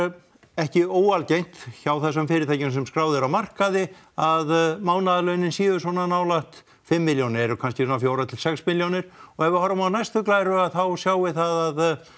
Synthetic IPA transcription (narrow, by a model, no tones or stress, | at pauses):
ɛhcɪoːwalcejn̥t̪çawθɛsœmfɪɾɪɾt̪ʰajcɪnsɛmskɾaːwðɪɾawmar̥kaðɪ | aðmaːwnaðalœɥnɪnsjiːvʏsvɔnanawlaht̪ | fɪmːɪljownɪɾɔkʰanscɪsɔnafjoːwɾat̪ʰɪlsɛksmɪljownɪɾ̥ɔɣɛvʏhɔɾamawnajst̪ʏklaːjɾʏaðθawsjaːwɪθaðað